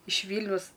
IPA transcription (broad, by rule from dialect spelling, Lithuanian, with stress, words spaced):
ɪʃ ˈʋʲiːlʲnʲɛʊs